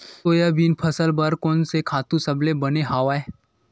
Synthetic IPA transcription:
oːjabiːnpʰɐsəlbɐɾkɔːnsekʰaːt̪ũsɐblebɐneɦaːʋae

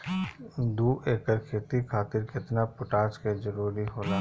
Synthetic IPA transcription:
d̪uːeːkəɾkʰeːt̪ikʰaːt̪ɪɾkɪt̪napʊʈaːt͡ʃkezɐɾuːɾiɦoːlaː

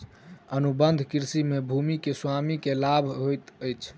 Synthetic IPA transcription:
ənubənd̪ʱkiɾsimebʱumikeswamikelabʱɦojt̪əjt͡ʃʰ

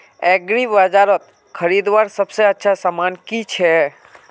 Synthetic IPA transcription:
ɛɡɾibad͡ʒaɾət̪̚ | kʰəɾid̪ʋaɾsəbseətːʃʰasamaːnkit͡ʃʰɛ

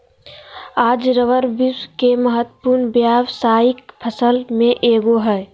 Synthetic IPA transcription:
ad͡ʒɾəʋəɾbiskeməɦət̪ːəpuɾnbjabsaik̚pʰəsəlmẽʔeɡoɦɛ

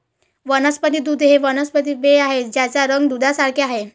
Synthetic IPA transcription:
ʋənəspəd̪iːd̪ud̪ʱɦeʋənəspəd̪iʋeaɦed͡ʑjat͡saɾəŋɡd̪ud̪ʱasaɽkʰeaɦe

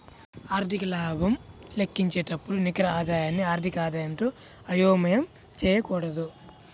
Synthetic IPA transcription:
aːɾd̪ʱikɐlaːbʱɐmlekːiɲt͡ʃeːʈɐpːuɽunikɾɐaːd̪aːjaːnːiaːɾd̪ʱikaːd̪aːjɐnʈuː | ɐjoːmɐjɐm | t͡ʃɛːjɐkɔːɽɐd̪u

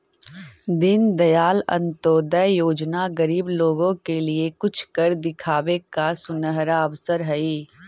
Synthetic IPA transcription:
d̪ɪnd̪ɐjaːlɐ̰̃nt̪oːd̪əjjoːd͡ʒnaɡɐɾiːbloːɡõkeliekʊt͡ʃʰkəɾd̪ɪkʰaːwekasʊnəɦɾaɐʋsəɾɦɐiː

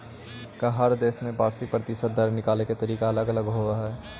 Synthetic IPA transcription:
kaɦɐɾd̪eːsmẽpaːɾsipɾɐt̪ɪʃət̪̚d̪ɐɾnɪkaːleket̪ɐɾiːkaɐləɡɐləɡɦoːaɦɛː

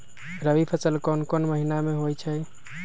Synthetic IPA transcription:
ɾəbipʰəsəlkonkonməɦinameɦojt͡ʃʰəj

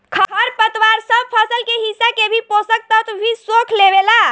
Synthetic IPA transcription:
kʰəkʰəɾpət̪waɾsəb̚pʰəsəlkeɦisakebʱiposək̚t̪ət̪ʰbʱisokʰleʋela

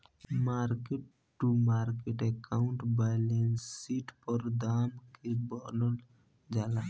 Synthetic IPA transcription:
maːɾkeʈ | ʈːumaɾkeʈekaʊɳʈbajlensiʈpəɾd̪aːmkebɔləl | d͡ʒala

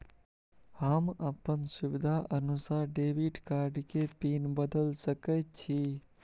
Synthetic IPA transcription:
həməpənsʊʋɪd̪ʱaʔənʊsaːɾɖeːʋiɖkaːɾɖkepiːnbəd̪əlsəkət̪̚t͡ʃʰi

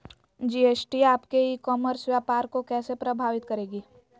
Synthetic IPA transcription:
d͡ʒiːeːsʈiaːpkeiːkɔːməɾsʋjaːpaːɾkokɛːsepɾɐbʱaːʋɪt̪kɐɾeːɡiː

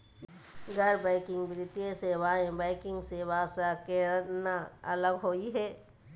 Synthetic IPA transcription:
ɡɐɾbaɪkɪ̃ŋɡbɾɪt̪jeseʋaːẽbaɪkɪ̃ŋɡseʋaːsakenaɐləɡɦoːiɦɛː

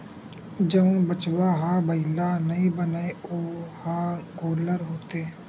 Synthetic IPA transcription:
d͡ʒəũbət͡ʃʋaɦaːbəɪlanəɦĩbənaeoːhaːkoːləɾɦoːt̪eː

